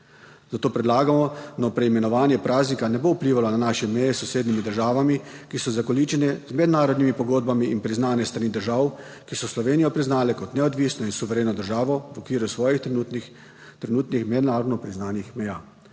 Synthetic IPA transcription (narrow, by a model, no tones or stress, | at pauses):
zat̪oːpɾɛd̪laːɡamɔnɔpɾɛimɛnɔʋaːnjɛpɾʔaːznikanɛbowpliːʋalɔnanaːʃɛmɛjɛsːɔseːd̪nimid̪əɾʒaːʋamikisɔzakɔliːt͡ʃɛnɛzmɛd̪naːɾɔd̪nimipɔɡoːd̪̚bamiʔinpɾiznaːnɛst̪ɾanid̪əɾʒawkisɔslɔʋeːnijɔpɾiznaːlɛkɔt̪nɛɔd̪ʋiːsnɔinsuʋɛɾeːnɔd̪əɾʒaːʋɔʋɔkʋiːɾjusʋɔːji | t̪ɾɛnuːt̪nixmɛd̪naːɾɔd̪nɔpɾiznaːnixmɛjaː